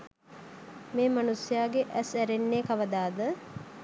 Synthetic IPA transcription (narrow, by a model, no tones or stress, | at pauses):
meːmanusjaːɡeʔæsæɾenːeːkaʋəd̪aːd̪ə